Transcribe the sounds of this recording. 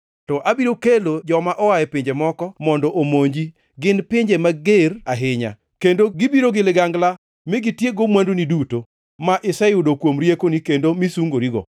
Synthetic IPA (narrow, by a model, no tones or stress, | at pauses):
tɔʔabiɾokelod͡ʒɔmaʔɔwajɛpiɲd͡ʒemɔkɔmɔndɔʔomoɲd͡ʒi | ɡɪnpɪɲd͡ʒemaɡeɾaɦɪɲa̰ | kendoɡɪbiɾoɡɪlɪɡaŋɡla | mɪɡitjeɡomwanduniduto | maʔɪsɛjʊdokwomɾjekonikendomisuŋɡoɾiɡɔ̰